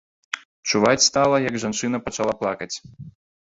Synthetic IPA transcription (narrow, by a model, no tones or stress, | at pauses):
t͡ʂuvat͡sʲst̪alˠɐjɐɡʐant͡ʂɨn̪ɐpɐt͡ʂalˠaplˠakɐt͡sʲ